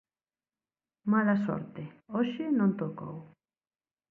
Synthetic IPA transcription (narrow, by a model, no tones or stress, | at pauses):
malasɔ̰ɾt̪eoʃɪnõnt̪oko̰w